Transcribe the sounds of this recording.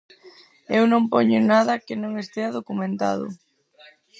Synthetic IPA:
ewnõmpoɲʊnaðɐkɪnõŋest̪eaðokumẽnt̪a̰ðʊ̰

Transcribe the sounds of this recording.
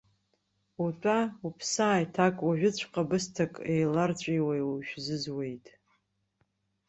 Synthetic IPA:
utʷʼaupʰsaːjtʰakʼwaʒᶣʊt͡ɕʷʰqʼabɨstʰakʼejlart͡ɕʷʼijwajuʃᶣzɨzwe̞jtʼ

